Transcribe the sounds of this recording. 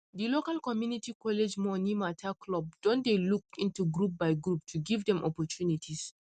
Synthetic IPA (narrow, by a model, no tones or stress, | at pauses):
dilokalkɔmjunitikʰɔled͡ʒmɔnimatʰakʰlɔb̚d̥ɔ̃ndelukĩntuɡɹup̚baɪɡɹup̚tʰuɡivdɛ̃mʔɔpɔtʰunitʰis